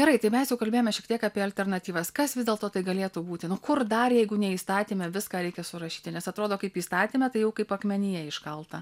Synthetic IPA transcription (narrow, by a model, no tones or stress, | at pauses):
ɡʲɛɾɐɪt̪ɐɪmʲɛsjɛʊkɐlʲbʲeːjomɛʃʲɛkt̪ʲiɛkɑːpʲiɛɐlʲt̪ʲɛrnɐt̪ʲiːʋɐskɐsʋʲɪzd̪ʲeːlˠt̪oːt̪ɐɪɡɐlʲeːt̪uːbuːt̪ʲɪnʊkʊrd̪ɐrjɛɪɡʊnʲɛiːst̪ɑːt̪ʲiːmʲɛʋʲɪskɑːɾʲɛɪkʲɛsʊɾɐʃʲiːt̪ʲɪnʲɛsɐt̪ɾoːd̪oːkɐɪpiːst̪ɑːt̪ʲiːmʲɛt̪ɐɪjɛʊkɐɪpɐkmʲɛnʲɪjɛɪʃkɐlˠt̪ɐ